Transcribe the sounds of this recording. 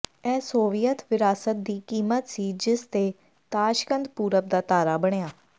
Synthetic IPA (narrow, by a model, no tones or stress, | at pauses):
ɛːsoːʋɪjət̪ʋɪɾaːsət̪̚d̪iːkiːmət̪siːd͡ʒɪst̪eː | t̪aːʃkənd̪puːɾəp̚d̪aːt̪aːɾaːbəɽ̃ejaː